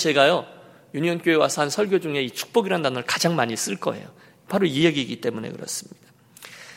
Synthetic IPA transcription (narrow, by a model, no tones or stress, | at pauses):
t͡ɕe̞ɡajʌ | juɲiʌnk͈joe̞wasʰʌɦansʰʌɭɡjod͡ʑuŋe̞it͡ɕʰu̥k̚p͈ʌɡiɾandanɯɭkad͡ʑaŋmaɲis͈ɯɭk͈ʌ̰e̞̰jo | paɾoiɦe̞ɡiːɡit͈e̞mune̞̰kɯ̰ɾʌ̰s͈ɯmɲid̥ḁ